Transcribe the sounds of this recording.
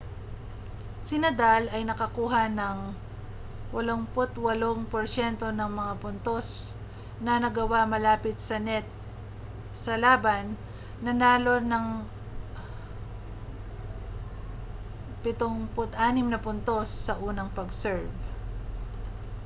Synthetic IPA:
sɪnɐd̪alɐjnɐkɐkuːɦɐnɐŋ | wɐloŋpʊt̪wɐloŋpoɾsɛnt̪o̞nɐŋmɐŋapʊnt̪o̞s | nɐnɐɡɐwamɐlaːpɪt̪̚sɐnɛt̪̚ | sɐlaːbɐnː | ɐnaːlo̞nɐŋ | pɪt̪oŋpʊt̪ʔaːnɪmnɐpʊnt̪o̞sːɐʔuːnɐŋpɐɡsɛɹv

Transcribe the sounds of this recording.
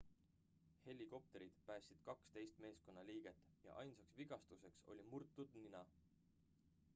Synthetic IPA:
he̞lʲːiko̞p̚t̪e̞ɾid̪̥pæːsʲid̪̥kɑkst̪e̞jst̪me̞ːsko̞nːɑliːɡ̥e̞t̪ːˑjɑ̰ʔɑ̰jnsɑksviɡ̥ɑst̪use̞kso̞̰lʲimurt̪ːˑud̪̥ninɑ

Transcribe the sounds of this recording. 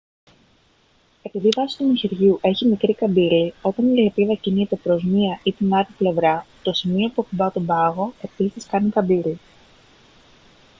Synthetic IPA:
e̞piðivɐsi̥t̪umiçiɾʝuʔe̞çimikɾikɐbilio̞t̪ɐniepiðɐciniet̪e̞pɾo̞zmiɐʔit̪inɐɾiple̞vɾɐt̪o̞simio̞puɐpubɐt̪obɐɣo̞e̞pisiskɐnikɐbili

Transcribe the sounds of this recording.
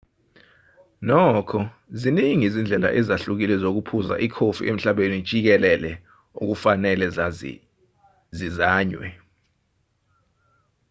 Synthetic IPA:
nɔːkʰɔ | ziniŋizind͡ɮʱɛla̰ʔɛzaɬuk̬ilɛzok̬upʰuza̰ʔikʰofḭʔem̩ɬaɓeni̥t͡ʃʼik̬ɛlɛlɛ | ṵk̬ufanɛlɛ | zizaːɲwɛ̰

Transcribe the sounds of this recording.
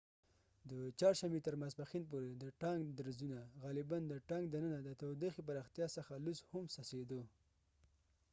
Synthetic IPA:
d̪ət͡ʃɑɾʃamet̪əɾmasbaxinpoɾed̪əʈɑŋɡd̪aɾzunaɣalɪband̪əʈɑŋɡd̪anənad̪ət̪awd̪exip̬aɾɑxt̪jɑsəxalushʊmsased̪o

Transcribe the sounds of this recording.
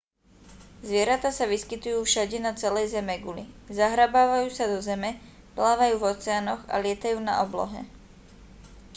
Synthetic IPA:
zʋɪɛɾat̪aːsaʋiskit̪ujuːfʃaɟɛnat͡sɛlɛjzɛmɛɡulizaɦɾabaːʋajuːsad̪ɔzɛmɛ | plaːʋajuːvɔt͡sɛaːnɔɣa̰lɪɛt̪ajuːna̰ʔɔblɔ̰ɦɛ̰

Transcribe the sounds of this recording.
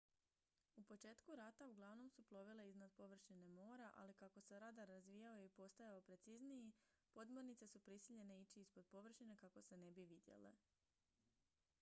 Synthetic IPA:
upo̞t͡ʃe̞ːt̪kuɾat̪auɡlˠaʋno̞msuplˠo̞ʋile̞iznad̪po̞ʋr̩ʃine̞mo̞ːɾaʔa̰likako̞se̞ɾad̪aɾazʋiːjaoipo̞st̪ajaopɾe̞t̪siznii | po̞d̪mo̞ɾnit̪se̞supɾisiʎe̞ne̞it͡ʃiispod̪̚po̞ʋr̩ʃine̞kako̞se̞ne̞biʋid̪je̞̰lḛ

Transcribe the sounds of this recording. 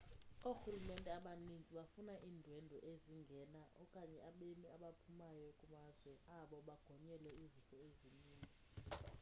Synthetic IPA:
oxulumɛntʼɛaɓanind͡zʱiɓafunaʔiːndʱwɛndʱɔʔeziŋɡʱɛːnaʔɔkʼaɲɛaɓemiaɓapʰumajɔkʼumazwɛaɓɔɓaɡ̥ʱɔɲɛlɛizikʼɔeziniːnd͡zʱi

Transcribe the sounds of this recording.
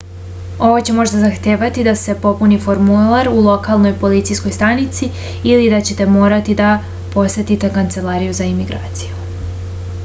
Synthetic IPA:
o̞ʋot͡ɕe̞mo̞ʒd̪azaxt̪e̞ːʋat̪id̪ase̞po̞punifo̞ɾmulˠaɾulˠo̞kalˠno̞jpo̞lit̪sijsko̞jst̪anit̪si | ilid̪at͡ɕe̞t̪e̞mo̞ːɾat̪id̪a | po̞sʋe̞t̪it̪e̞kant̪se̞laːɾijuzaimiɡɾa̰ːt̪si̥ju

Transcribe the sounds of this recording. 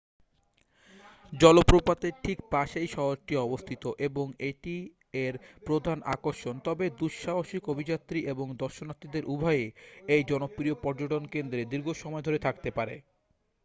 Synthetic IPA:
d͡ʑɔlopɾopat̪eɾʈʰikpaʃejʃɔɦoɾʈiɔbost̪ʰit̪oʔeboŋeʈi | eɾpɾod̪ʱana̰koɾʃont̪ɔbed̪uʃʃaɦoʃikobʱid͡ʑat̪ːɾiʔeboŋd̪ɔɾʃonat̪ːɾid̪eɾʔubʱajeejd͡ʑɔnopɾiopɔɾd͡ʑoʈonkend̪ɾed̪iɾɡʱoʃɔmɔed̪ʱoɾet̪ʰak̚t̪epaɾḛ

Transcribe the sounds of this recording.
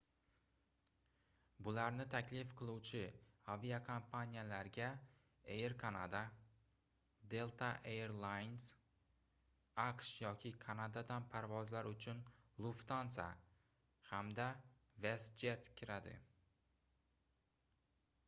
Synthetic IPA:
bʊlaɾnɪt̪ʰakʲlɪfqʰɨlˠuwt͡ʃʰɪaviakʰampʰanʲijalaɾɡʲa | ejɾkʰanad̪a | d̪e̞lˠt̪ʰaʔeeɾlˠajns | aqʃjɒkʲʰɪkʰanad̪ad̪anpʰaɾvɒzlaɾʊt͡ʃʰʊnlˠʊft̪ansa̰ | hamd̪a | vesd͡ʒet̪kʲʰɪɾad̪ɪ̰

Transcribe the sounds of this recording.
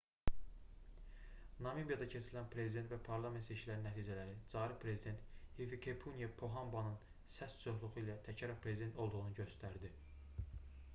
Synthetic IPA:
nɑmibijɑd̪ɑcʰe̞t͡ʃʰiɾilænpʰɾezid̪et̪væpʰɑɾlˠɑme̞nt̪set͡ʃʰilæɾinːæt̪ʰiːd͡ʒælæɾid͡ʒɑːɾipʰɾe̞zid̪e̞nt̪hivikʰepʰunjepʰo̞ɦɑmbɑnɯn | sæst͡ʃʰo̞χlˠuʁuilæt̪ʰæcʰɑɾɑpʰɾezid̪e̞nt̪ʰo̞lˠd̪uʁunuɟø̞st̪æɾd̪i

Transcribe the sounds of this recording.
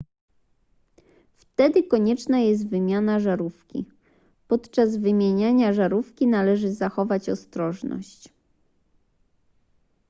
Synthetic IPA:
ft̪ɛd̪ɘkɔɲɛt͡ʂnajɛst̪vɘmʲjanaʐaɾufkʲḭ | pɔt̪t͡ʂazvɘmʲjeɲaɲaʐaɾufkʲinalɛʐɘzaxɔvat͡ɕɔst̪ɾɔʐnɔ̰ɕt͡ɕ

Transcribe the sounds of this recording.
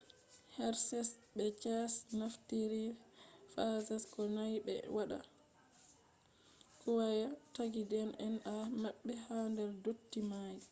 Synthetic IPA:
hɛɾsɛsɓɛt͡ʃasnaftiɾifasɛskɔnajɓɛ̰waɗa̰ | kuwajataɡidɛnɛnʔamaɓːɛhandɛɾdotːimaji

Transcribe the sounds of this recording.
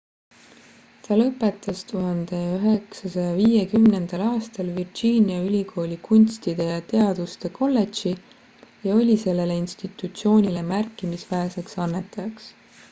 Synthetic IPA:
t̪ɑlɤpːˑe̞t̪ːˑɑst̪uɦɑnd̪̥e̞yɦe̞ksɑsɑjɑviːjekymne̞nd̪̥ɑlɑːst̪ɑlvird͡ʒiːnʲiɑylʲikʰo̞ːlʲikunʲst̪id̪̥e̞jɑt̪e̞ɑd̪̥ust̪e̞kʰo̞lːe̞tt͡ʃi | jɑo̞lʲise̞lːe̞le̞inst̪it̪ˑut̪sio̞ːnʲile̞mærkːˑimisvæese̞ksɑnːe̞t̪ːˑɑjɑks

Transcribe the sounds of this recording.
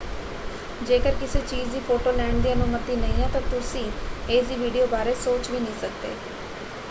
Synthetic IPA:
d͡ʒeːkəɾkɪseːt͡ʃiːd͡ʒd̪iːpʰoːʈoːlɛːɳd̪iːənʊmət̪iːnəĩːɛːt̪ãːt̪ʊsĩːeːsd̪iːʋiːɖijoːbaːɾeːsoːt͡ʃʋiːnəĩːsək̚d̪ḛː

